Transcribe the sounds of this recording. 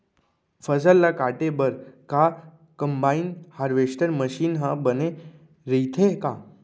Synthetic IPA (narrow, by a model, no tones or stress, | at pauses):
fəsəlːakaːʈebəɾka | kəmbaːinhaːɾʋeːʃʈ̪əɾməʃiːnɦãbəne | ɾəit̪ʰeka